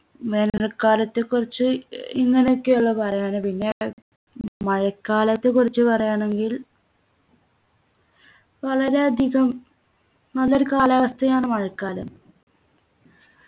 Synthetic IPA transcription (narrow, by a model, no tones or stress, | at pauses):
ʋenɐrkːaːlɐt̪ːekːurit͡ɕːɨiŋːɐneokːeoɭːɐpɐrɐjaːnɨpinːe̞ | mɐɻɐkːaːlɐt̪ːe̞kːurit͡ɕːɨpɐrɐjaːɳe̞ŋɡil | ʋɐɭɐɾe̞ɐd̪ʱiɣɐm | ɐloɾukaːlaʋɐst̪ʰɐjaːɳɨmɐɻɐkːaːlɐ̰m